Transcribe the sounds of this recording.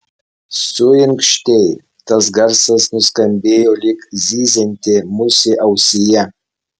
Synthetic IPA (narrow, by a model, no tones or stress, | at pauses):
sujɪŋkʃt̪ʲej | t̪ɐs̬ɡɐɾsɐsnʊskɐmʲbʲeːjolʲɪkzʲiːzʲɛnʲt̪ʲɪmʊsʲɪʔɐwsʲɪjɛ